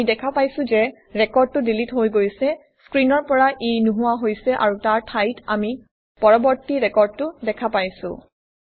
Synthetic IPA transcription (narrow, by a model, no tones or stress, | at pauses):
idɛkʰapajsʊ̃zɛ | ɹɛkɔɹd̚tʊdilitɦojɡojsɛ | skɹinɔɹpɔɹaʔejnuɦuwaɦojsɛʔa̰ɹutaɹtʰajtami | pɔɹɔbɔɹtiɹɛkɔɹd̚tʊdɛkʰapajsʊ̰̃